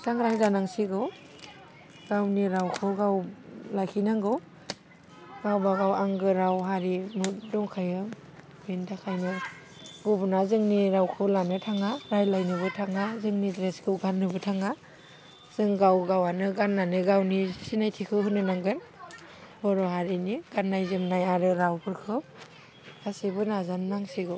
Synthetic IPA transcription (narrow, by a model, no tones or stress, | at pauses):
saŋɾaŋzanaŋsiɡɯw | ɡ̥awniɾawkʰɯɡawlajkʰinaŋɡɯw | ɡawbaɡawaŋɡɯɾawɦaɾimudɔŋkʰajɯ | bintakʰajnɯ | ɡobɯnazɯŋniɾawkʰɯlanɯtʰaŋaɾajlajnɯβɯtʰaŋazɯŋnidɾeskʰɯwɡanːɯbɯtʰaŋa | z̥ɯŋɡawɡawanɯɡanːanɯɡawnisinajtʰikʰɯwhɯnɯnaŋɡɯn | bɔɾɔɦaɾiniɡ̥anːajzɯmnajaɾɯɾawpʰɯɾkʰɯ | asibɯnazanːaŋsiɡɯw